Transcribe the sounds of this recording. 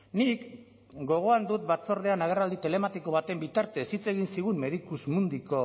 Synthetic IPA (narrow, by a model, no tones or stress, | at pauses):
nik | ɡo̞ɣ̞o̞and̪ut̪̚bat͡so̞ɾð̞e̞anaɣ̞erald̪it̪e̞le̞mat̪iko̞β̞at̪e̞mbit̪aɾt̪e̞ːsit͡se̞ɣ̞insiɣumme̞ð̞ikusmund̪iko̞